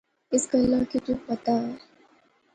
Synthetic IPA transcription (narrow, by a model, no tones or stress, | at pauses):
ɪskəlːãkit̪ũːpət̪a